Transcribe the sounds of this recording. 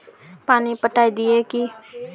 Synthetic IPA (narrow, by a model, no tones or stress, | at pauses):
paːnipəʈaːid̪ɪeːki